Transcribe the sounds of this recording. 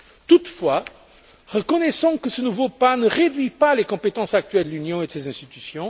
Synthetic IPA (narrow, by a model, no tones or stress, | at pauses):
t̪ut̪fwa | ʁəkɔnɛsɑ̃kəsənuvopanəʁed̪ɥipalekɔ̃pet̪ɑ̃sak̚t̪ɥɛld̪əlynjɔ̃ed̪əsezɛ̃st̪it̪ysjɔ̃